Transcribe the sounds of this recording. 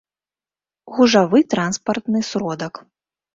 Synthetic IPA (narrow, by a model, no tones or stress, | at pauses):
ɣuʐavɨt̪ɾanspɐrt̪nɨsɾɔd̪ɐk